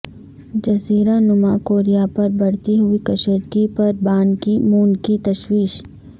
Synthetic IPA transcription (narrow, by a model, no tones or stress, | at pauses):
d͡ʒɐsiːɾanʊmakoːɾijapɐɾbɐɽ̤t̪iɦʊikɐʃəɾd̪ɡipɐɾbaːnkimuːnkit̪ɐʃwiːʃ